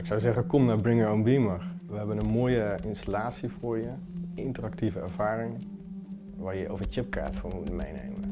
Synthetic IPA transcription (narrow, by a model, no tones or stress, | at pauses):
ɪksawzɛχənkɔmnaːɹbrɪŋəɹɔnbimərʋəɦɛbənənmoːjəɪnstalaːtsivʊːɹjə | ɪntərak̚tivəɛ̰ɹv̥aːɾɪŋ | ʋaːɹjəovət͡ʃɪp̚ka̰ːtfʊːmutəmḛjnḛjmə